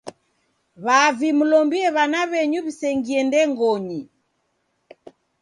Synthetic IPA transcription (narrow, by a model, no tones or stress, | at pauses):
βavimulɔmbiɛβanaβɛɲuβisɛŋɡiɛndɛŋɡɔɲi